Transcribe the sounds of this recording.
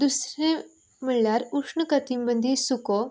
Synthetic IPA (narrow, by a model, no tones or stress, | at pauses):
d̪usɾe | miɭljaɾukʂɳəkɐt̪imbənd̪ʱisuko